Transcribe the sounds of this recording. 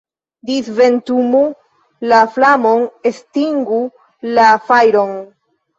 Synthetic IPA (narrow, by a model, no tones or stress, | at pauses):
disve̞ntumu | laflamo̞nestiŋɡu | lafajɾo̞n